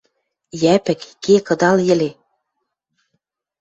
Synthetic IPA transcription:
jæpɘ̆kːekɤ̆d̪ɑljɘ̆le

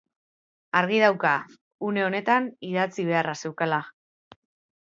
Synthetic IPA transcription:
aɾɣ̞ið̞awka | une̞o̞ne̞t̪aniðat͡siβ̞e̞arase̞wkala

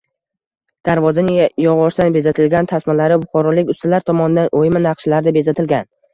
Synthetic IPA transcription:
d̪̥aɾvɒzanɪjɒʁɒɾsanbe̞zat̪ʰɪlɡʲant̪ʰasmalaɾɪbʊχɒɾɒlɪkʲʊst̪alaɾt̪ʰɒmɒnɪd̪anʔojmɪnɑqʃlaɾd̪abe̞zat̪ʰɪlɡʲan

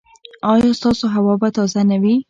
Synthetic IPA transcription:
ɑjɑst̪ɑsoɦawɑbat̪ɑzanawi

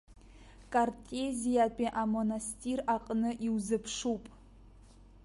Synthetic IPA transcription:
kʼartʼezijapʼiʔamo̞nastʼiraqʼnɨʔiwzɨpʰʂupʼ

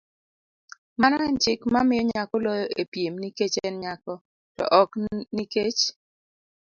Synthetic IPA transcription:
manant͡ʃɪkmamɪjɔɲakɔlɔjɔepjemniket͡ʃɛnɲakɔ | tɔ̰ʔɔkniket͡ʃ

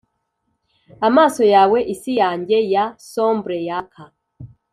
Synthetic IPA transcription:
amaːsɔjawɛʔisijaɲɟɛjasɔmbɾɛjakʰa

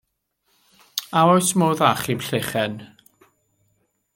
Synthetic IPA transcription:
aɔjsmoːðaχimɬeχɛn

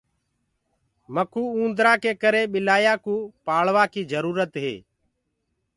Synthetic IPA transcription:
məkuːũːnd̪ɾaːkeːkəɾeːɓɪlaːjaːkũːpaːɭʋaːkiːd͡ʒəɾuːɾət̪ɦḛː

